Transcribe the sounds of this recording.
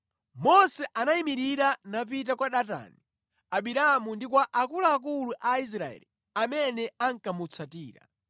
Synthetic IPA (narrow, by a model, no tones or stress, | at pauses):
mɔsɛʔanaimiɾiɾanap̬it̬akwaɗata̰ni | aɓiɾamundik̬waʔakulaːk̬uluʔais̬ɾaɛ̰li | amɛnɛaŋkamut͡sʰatiːɾa̰